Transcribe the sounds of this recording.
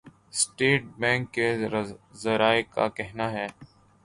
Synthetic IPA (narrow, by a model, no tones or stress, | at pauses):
sʈeːʈ̚bɛ̃ːŋkːezɐɾaːeka̰kɛɦnaɦɛː